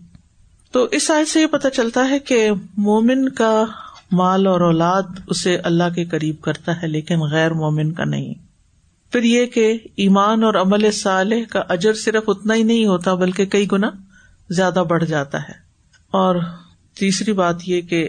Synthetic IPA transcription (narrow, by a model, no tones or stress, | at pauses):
t̪oːʔɪsaːsejepɐt̪at͡ʃɐlt̪aɦɛkemoːmɪnkamaːlɔːɾɔːlaːd̪ʊseʔɐlːaɦkekɐɾiːb̚kɐɾt̪aɦɛleːkɪnɣɛːɾmoːmɪnka̰nɐ̰ɦḭ̃ | fɪɾjekeiːmaːnɔːɾɐməlesaːlɪɦkaʔɐd͡ʒəɾsɪɾəfʊt̪naɦinɐɦĩɦoːt̪abɐlkekɐiɡʊna | zjaːd̪abɐɽ̤d͡ʒaːt̪a̰ɦɛ̰ː | ɔːɾ | t̪iːsɾibaːt̪jeke